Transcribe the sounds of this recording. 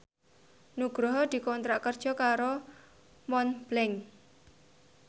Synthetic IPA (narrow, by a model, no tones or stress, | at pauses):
nuɡ̥ɾɔɦɔd̪̥i̤kɔnt̪ɾaʔkərd̥ʒ̥ɔ̤kaɾo | mɔnb̥lɛŋ